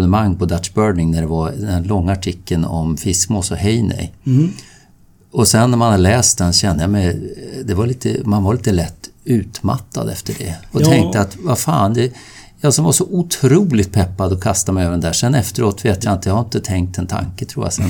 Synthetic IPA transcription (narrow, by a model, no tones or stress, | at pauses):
nəmaŋːpɔd̪at̪ʂbœːɳɪŋnæɖɛvad̪ɛnlɔŋːaːʈʰɪkʰːənɔ̰mfɪskmoːsɔɦɛjnɛ̰j | ɔsɛnːæɾmanalɛːst̪d̪ɛnsɔɕɛnd̪əjamɛjd̪ɛvaɾliːt̪ə̰manvaɾliːt̪əlɛt̪ːʉ̟ːt̪ma̰t̪ʰːa̰d̪ɛft̪əɖɛ̰ɔt̪ʰɛŋkt̪əat̪vafa̰ːnd̪ɛ | jɑsɔmvaʂɔʔʊt̪ʰɾuːlɪt̪̚pʰɛpːad̪ɔkʰast̪amɛɪjøːvɾɖɛnd̪æːʂɛnɛft̪əɾoːt̪veːt̪jaɪnt̪əjahaɾɪnt̪ət̪ʰɛŋk̚t̪ɛnt̪ʰa̰ŋkət̪ʰɾuːja̰sɛ̰n